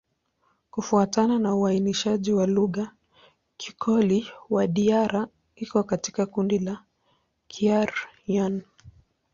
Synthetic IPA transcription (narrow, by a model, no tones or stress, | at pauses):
kufuatananauainiʃaʄiwaluɣa | kʰi̥kʰɔliwaɗiaɾa | ikɔkati̥kakundila | kʰiaɾjan